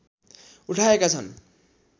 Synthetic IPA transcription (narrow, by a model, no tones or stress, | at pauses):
uʈʰaekat͡sʰʌn